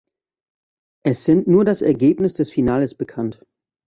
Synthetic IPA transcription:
ʔɛsz̥ɪntnuːɐdasɛɐɡeːpnɪsd̥ɛsfinaːləsb̥əkʰant

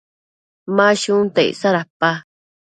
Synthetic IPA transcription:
maʃut̪eḭsaɾapːa

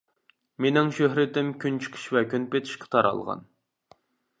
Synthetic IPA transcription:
menɪŋʃøɦɾɪt̪ɪmkʲʰynt͡ʃʰi̥qʰi̥ʃvɛkʲynpet̪ʰɪ̥ʃqʰə̥t̪ʰɑɾɑ̰lˠʁɑ̰n

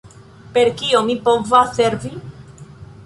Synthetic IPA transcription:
peɾkiomipovaseɾvi

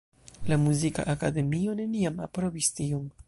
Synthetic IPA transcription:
lamuzika̰ʔakade̞mio̞ne̞niama̰pɾo̞vistiom

